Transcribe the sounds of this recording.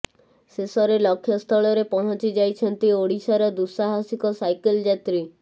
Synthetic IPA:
sesɔɾelɔkʰːjɔst̪ʰɔɭɔɾepɔɽ̃ɔ̃t͡ʃid͡ʒajt͡ʃʰɔnt̪ioɽisaɾɔd̪usaɦasikɔsajkeld͡ʒat̪ɾi

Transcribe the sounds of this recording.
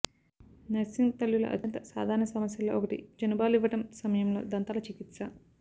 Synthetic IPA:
nɐsiŋɡt̪ɐlːulɐ̰ʔɐ̰d̪ʰʱɐnt̪ɐsa̰ːd̪ʱaːɾɐɳɐsɐmɐsjɐloːʔɔkɐʈḭd͡ʒɐnubaːluiʋɐʈɐmsɐmɐjɐmlo̞̰ːd̪ɐnt̪aːlɐt͡ʃikit̪sɐ

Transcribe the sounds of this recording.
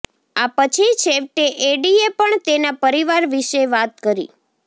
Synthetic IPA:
apət͡ʃʰit͡ʃʰeʋʈeʔeɖiepəɳt̪enapəɾiʋaɾʋiʃeʋat̪̚kəɾḭ

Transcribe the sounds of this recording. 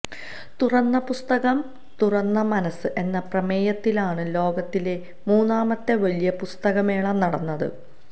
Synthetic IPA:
t̪urɐnːɐpust̪ɐɣɐm | t̪urɐnːɐmɐnɐsɨʔe̞nːɐprɐmeːjɐt̪ːilaːɳɨlo̞ːɡɐt̪ːile̞ | muːnːaːmɐt̪ːeʋɐlijɐpust̪ɐɣɐme̞ːɭɐmnɐɽɐnːɐðɨ̰

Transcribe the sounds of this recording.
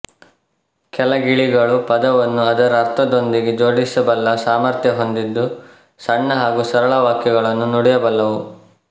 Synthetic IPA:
kɛlɐɡiɭiɡɐɭupɐd̪ɐʋɐnːuɐd̪ɐɾɐɾt̪ʰɐd̪o̞nd̪iɡed͡ʒo̞ːɽisɐbɐlːɐsaːmɐɾt̪jɐɦo̞nd̪id̪ːu | sɐɳːɐɦaːɡusɐɾɐɭɐʋaːkjɐɡɐɭɐnːunuɽɛjɐbɐlːɐʋu

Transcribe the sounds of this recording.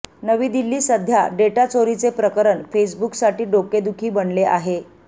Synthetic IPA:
nəʋiːd̪ilːiːsəd̪ʱja̰ɖeʈat͡soɾit͡sepɾəkəɾəɳfes̬buksaʈiːɖoked̪ukʰiːbənleʔaɦe

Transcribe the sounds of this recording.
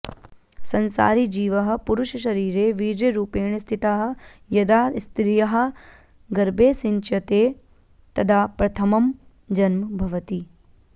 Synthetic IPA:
sɐnsa̰ːɾid͡ʒiːʋɐɦɐ̆puɾuʃɐʃɐɾiːɾeːʋiːɾjɐɾuːpeːɳɐst̪ʰit̪aɦɐ̆ | jɐd̪aːst̪ɾijɐɦɐ̆ | ɡɐɾbʱeːsint͡ʃɐt̪eː | t̪ɐd̪ʰʱaːpɾɐt̪ʰɐmɐm | d͡ʒɐnmɐbʱɐʋɐt̪i

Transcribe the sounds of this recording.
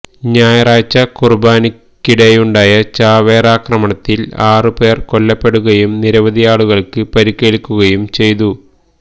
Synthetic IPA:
ɲaːjɐraːt͡ɕːɐkurbaːnikʲːiɽejuɳɖaːjɐt͡ɕaːʋeːraːkrɐmɐɳɐt̪ːilaːrɨpe̞ːrko̞lːɐpːe̞ɽuɣɐjumniɾɐʋɐd̪ʱijaːɭuɣɐɭkɨpɐɾikʲːeːɭikʲːuɣɐjumt͡ɕe̞jt̪u

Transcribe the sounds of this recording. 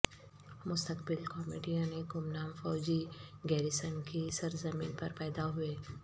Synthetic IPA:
mʊst̪əkbɪlkɔːmḛːɖijãneɡʊmnaːmfɔːd͡ʒiɡɛːɾɪsənkisɐɾzɐmiːnpɐɾpɛːd̪aɦʊeː

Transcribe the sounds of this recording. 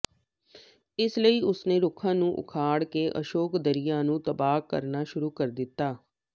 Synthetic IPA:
ɪsləiːʊsneːɾʊkʰãːnũːʔʊ̰kʰaːɽkeːʔə̰ʃoːkd̪əɾɪjãːnũːt̪əbaːkːə̰ɾnaːʃʊɾuːkəɾd̪ɪt̪ːaː

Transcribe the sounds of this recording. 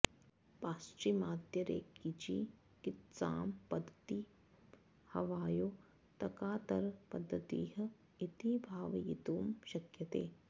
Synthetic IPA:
paːst͡ʃimaːd̪jɐɾḛːkːit͡ʃḭː | kit̪sa̰ːmpɐd̪ʱːt̪i | hɐʋaːjoː | t̪ɐkaːt̪ɐɾpɐd̪ʱːɐt̪ḭːɦɐ̆ | it̪ibʱaːʋɐjḭt̪uːmʃɐkjɐt̪ḛː

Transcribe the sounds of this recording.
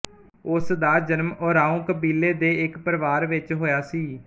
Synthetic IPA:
ʊsd̪aːd͡ʒənmɔːɾaːũːkəbiːleːd̪eːɪkpəɾʋaːɾʋɪt͡ʃɦoːjaːsiː

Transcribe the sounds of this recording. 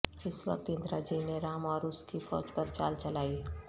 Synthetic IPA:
ɪswɐ̰k̚t̪ɪ̃nd̪ɾaːd͡ʒiːneɾaːmɔːɾʊskifɔ̰ːd͡ʒpɐɾt͡ʃa̰ːlt͡ʃɐlaːi

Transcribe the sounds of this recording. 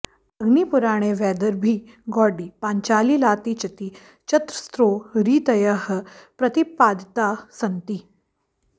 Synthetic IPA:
əɡniːpuɾaɽ̃eʋɛd̪əɾbʱiː | ɡɔɖipaɲt͡ɕaːliːlaːt̪it͡ɕɐt̪iː | t͡ɕət̪ɾəst̪ɾoːɾiːt̪əjəɦəpɾət̪ipad̪ʱt̪asənt̪iː

